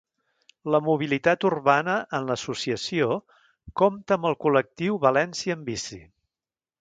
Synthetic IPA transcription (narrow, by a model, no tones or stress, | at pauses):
ləmuβ̞ilit̪at̪urβanəʔənləsusiəsio | kɔmt̪əːmbəlˠkulək̚t̪iwβəlɛnsiəːmbisḭ